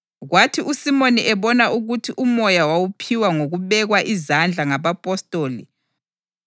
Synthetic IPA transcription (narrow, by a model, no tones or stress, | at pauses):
ɣwatʰiʔusimoniʔɛβɔnaʔuɣutʰiʔumɔjawawupʰiwaŋoɣuβɛɣwaʔizand͡ɮʱaŋaβapʼɔstʼoːlḭ